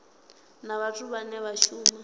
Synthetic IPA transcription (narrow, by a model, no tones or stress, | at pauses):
naβatʼuβanɛβaʃuːma